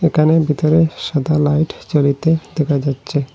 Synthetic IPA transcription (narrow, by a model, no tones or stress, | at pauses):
ekʰanebʱit̪oɾeʃad̪ʱalajʈt͡ɕolit̪ed̪ɛkʰad͡ʑatːɕʰe